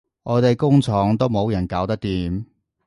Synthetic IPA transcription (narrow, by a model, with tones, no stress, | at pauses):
ʔɔː˨˧t̪e˨jkʊ˥ŋt͡sʰɔː˨˥ŋt̪o˥wmo˨˧wjɐ˨˩nkaː˨˥wt̪ɐ˥k̚t̪iː˨m